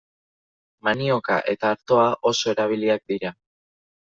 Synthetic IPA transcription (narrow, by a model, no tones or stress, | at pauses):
manio̞ka̰ʔe̞t̪aːɾt̪o̞aʔo̞so̞e̞ɾaβ̞iliak̚d̪iɾa